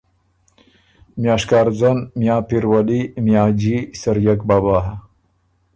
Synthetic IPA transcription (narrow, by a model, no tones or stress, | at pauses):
mjaːʂkaːɾzɐnmjaːpiɾwɐlimjaːd͡ʑisɐɾjɐkbabaːɦa